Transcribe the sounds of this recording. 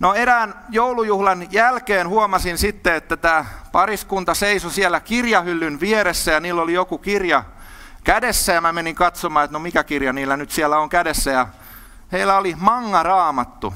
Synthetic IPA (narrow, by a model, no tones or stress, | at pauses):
noeɾæːnjoulujuhlɑnjælkeːnhuomɑsinsit̪ːeet̪ːæt̪æːpɑriskunt̪ɑseisosielːækirjɑhylːynʋieɾesːæjɑniːlːolijokukirjɑ | kædesːæjɑmæmeniŋkɑt̪somɑːet̪nomikækirjɑniːlːænyt̪siɛlːæoŋkædesːæjɑ | heilːˑæolimɑŋːɑrɑːmɑt̪ːṵ